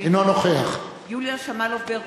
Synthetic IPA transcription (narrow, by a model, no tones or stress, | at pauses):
inonoχeaχ | juljaʃamalovbe